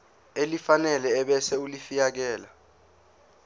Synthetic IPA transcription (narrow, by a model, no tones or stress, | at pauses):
elifanɛlɛːɓɛsɛulifijak̬ɛːla